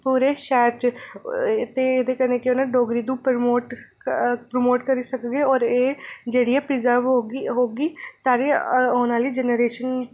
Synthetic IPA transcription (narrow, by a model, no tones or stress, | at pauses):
puːɾeːʃɛːɾt͡ʃ | t̪eed̪eːkəɾneːkoːnaːɖoːɡɾiːd̪ũːpmoːʈ | pɾomoːʈkəɾiːsəkɡeːɔːɾeːd͡ʒeːɽijaːpɾizaːʋɦoːɡiːsaːɽeːoːnaːliːd͡ʒɛneɾeːʃən